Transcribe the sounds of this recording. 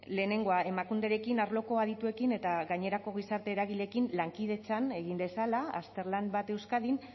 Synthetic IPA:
le̞ːne̞ŋɡo̞ae̞makund̪e̞ɾe̞kinaɾlo̞ko̞aðit̪ue̞kine̞t̪aɣaɲe̞ɾako̞ɣ̞isaɾt̪e̞ːɾaɣ̞iʎe̞kinlaŋkið̞e̞t͡sane̞ɣimbe̞salaast̪e̞ɾlanbat̪ewskaðin

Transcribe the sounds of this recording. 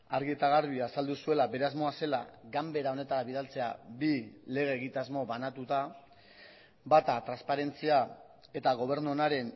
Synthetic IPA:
aɾɣiet̪aɣaɾβiasald̪usue̞labe̞ɾe̞azmo̞ase̞la̰ɡambe̞ɾao̞ne̞t̪aɾaβiðalt͡se̞a̰bile̞ɣ̞e̞ːɣit̪azmo̞βanat̪ut̪a | bat̪at̪ɾaspaɾe̞nt͡sia | e̞t̪aɣ̞o̞β̞e̞ɾnunaɾe̞n

